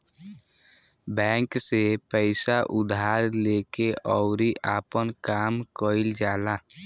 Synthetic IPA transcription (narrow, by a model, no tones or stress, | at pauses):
bɛ̃ːŋksepəɪsaʔʊd̪aːɾleːkeʔɔʊɾiʔaːpənkaːmkəɪld͡ʒaːlaː